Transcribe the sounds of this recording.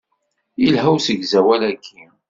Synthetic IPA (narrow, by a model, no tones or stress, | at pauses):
ilɦæwsəɡzæwælækʰːi